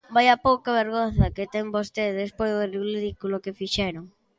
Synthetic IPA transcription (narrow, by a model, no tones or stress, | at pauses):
bajapowkɐβeɾɣonθɐket̪ɛŋbost̪eðespojzðoriɾiðikulokefiʃɛɾʊŋ